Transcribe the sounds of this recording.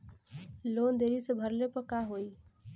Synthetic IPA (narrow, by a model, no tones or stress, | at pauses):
loːnd̪eɾisebʱəɾlepəkaɦoːi